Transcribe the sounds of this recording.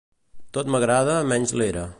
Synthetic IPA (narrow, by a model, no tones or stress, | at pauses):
t̪ot̪məɣɾað̞əmɛnzleɾə